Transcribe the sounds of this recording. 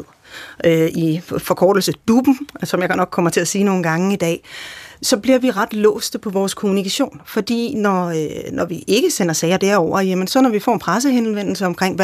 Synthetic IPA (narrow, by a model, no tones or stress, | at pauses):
ð̰ˠ | ifɒ̽kʰɒːd̥l̩səd̥ub̥n̩sɒ̽mjaɡ̥nɒ̽ɡ̥̚kʰɒ̽m̰ɐt͡sʰe̝læsiːno̝ːn̩ɡ̥ɑ̈ŋəid̥ɛ̰ːsɒ̽b̥liɐ̰ʋiʁɑd̥lɔ̰ːsd̥əpʰɒ̽ʋɒːskʰo̝munikʰæɕo̝̰ːnfɒ̽d̥ḭːnɒnɒʋiʔe̝ɡ̥əsen̰ɐsɛːɪɐd̥æɐ̰ɒʊ̰ɐjemənsɒ̽nɒʋifɒ̰ːenpʰʁas̬əhenʋen̰l̩səɒ̽mkʰʁeŋ̰ʋ